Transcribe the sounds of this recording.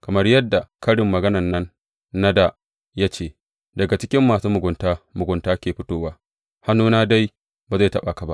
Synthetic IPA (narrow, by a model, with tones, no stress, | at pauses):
kɐ˨mɐ˦rjɐ˦dːa˨kɐ˦ɽɪ˨mːɐ˨ɡɐ˦nɐ˨nːɐ˦nː | a˦da˨ | ja˦t͡ʃeː˦˨ | dɐ˨ɡa˨t͡ʃɪ˦kʲɪ˦mːaː˨suː˦mʊ˨ɡʷʊ˨ntaː˦mʊ˨ɡʷʊ˨ntaː˦kʲeː˨ɸɪ˦toː˦waː˦ | ha˦nːuː˦naː˦da˦j | baː˨za˦˨tɐ˦˨ɓa˨ka˨ba˦ʔ